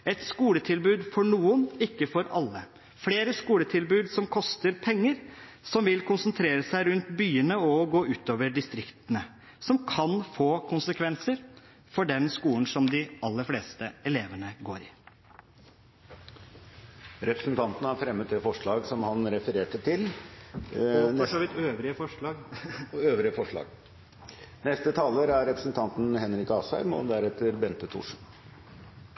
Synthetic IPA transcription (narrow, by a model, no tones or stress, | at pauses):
ɛt̪skuːlət̪ʰɪlbʉːd̪fɔɳuːənɪkːəfɔɾɑlːə | fleːɾəskuːlət̪ʰɪlbʉːd̪sɔmkʰɔst̪əɾpʰɛŋːəɾ | sɔmʋɪlkʰʊnsənt̪ʰɾeːɾəsæɪɾʉnt̪byːənəɔɡoːʉːt̪oːʋəɖɪst̪ɾɪkt̪ənə | sɔmkʰɑnfoːkʰʊnsəkʰʋɛnsəɾ | fɔɖɛnskuːln̩sɔmd̪ɪʔɑlːəɾfleːst̪əɛleːʋəɳəɡoːɾɪ | ɾɛpɾə̥sn̩t̪ɑnt̪ənəæɾfɾɛmːət̪̚d̪ɛːfɔʂɭɑːɡsɔmhɑnɾɛfəɾeːʈət̪ʰɪl | ɔʂɔʋɪt̪øːʋɾɪəfɔʂɭɑːɡøːʋɾɪəfɔʂɭɑ̰ːɡ | nɛst̪ət̪ʰɑːləɾæɾɾɛpɾəsn̩t̪ʰɑnt̪nhɛnɾɪkɑːsɑ̰ɪmɔ̰d̪æɾɛt̪ːəɾbɛnt̪ət̪ʰṵːʂn